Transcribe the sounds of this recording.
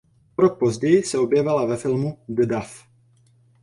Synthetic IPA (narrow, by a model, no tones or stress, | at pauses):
oɾok̚pozɟɛjɪsɛo̞bjɛvalavɛfɪlmuɡdaf